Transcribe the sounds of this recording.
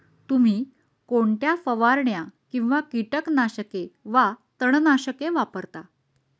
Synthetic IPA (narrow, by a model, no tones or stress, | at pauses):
t̪um̤iː | koɳʈ̪jafəʋaɾɳjakĩw̃ʋakiʈəknaɕəkeʋat̪əɳ̃naɕəkeʋapəɾt̪a